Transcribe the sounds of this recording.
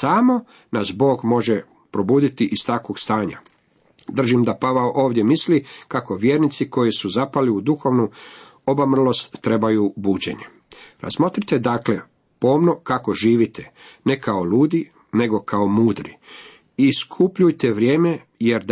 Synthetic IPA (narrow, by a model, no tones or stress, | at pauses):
samo̞ | nasbo̞ːɡmo̞ʒe | pɾo̞buːd̪it̪iʔist̪akʋo̞ɡst̪aːɲa̰ | d̪r̩ʒimd̪apaʋaoʔo̞ːʋd̪ʲje̞mislikakoʋjeːɾnit̪siko̞jisuzapaliud̪uxo̞ʋnu | o̞bamr̩lˠo̞st̪ːɾe̞bajubuːd͡ʑe̞̰ɲe | ɾa̰zmo̞t̪ɾit̪e̞d̪akle̞ | po̞ːmnokako̞ʒiːʋit̪ene̞kaoluːd̪i | ne̞ɡo̞kaomuːd̪ɾḭ | iskʰupʎujt̪eʋɾje̞ːme̞ | je̞ɾd̪